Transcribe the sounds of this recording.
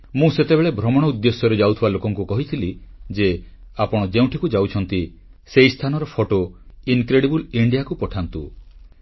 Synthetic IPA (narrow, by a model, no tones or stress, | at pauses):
mũset̪ebeɭebʱɾɔmɔɽ̃ɔud̪ːesjɔɾed͡ʒawt̪ʰibalokɔŋkukɔɦit̪ʰilid͡ʒe | apɔɽ̃ɔd͡ʒeũʈʰikud͡ʒawt͡ʃʰɔnt̪i | sejst̪ʰanɔɾɔpʰoʈoinkɾeɽibuliɳɖijakupɔʈʰant̪u